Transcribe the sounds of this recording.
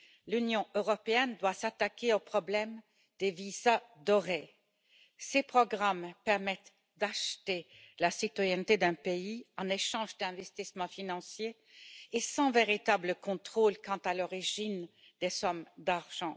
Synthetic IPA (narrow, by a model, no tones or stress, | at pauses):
lynjɔ̃ʔøʁɔpeɛnd̪wasat̪akʲeopχɔblɛm | d̪evizad̪ɔʁe | sepχɔɡʁampɛʁmɛt̪ | d̪aʃt̪elasit̪wajɛnt̪ed̪ɛ̃peiɑ̃neʃɑ̃ʒd̪ɛ̃vɛst̪ismɑ̃finɑ̃sjeː | sɑ̃veʁit̪abləkɔ̃t̪χolkɑ̃t̪alɔʁiʒin | d̪esɔmd̪aʁʒ̥ɑ̃